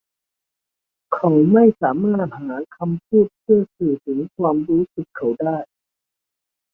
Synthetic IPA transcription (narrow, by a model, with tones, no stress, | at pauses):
kʰa˨˦˥wma˥˩jsaː˩˦maː˥˩t̪̚haː˩˦kʰa˧mpʰuː˥˩t̪̚pʰɯ˥˩ɐsɯː˨˩t̪ʰɯ˩˦ŋkʰwaː˧mɾuː˦˥sɯ˨˩kʰːa˨˩wdaː˥˩j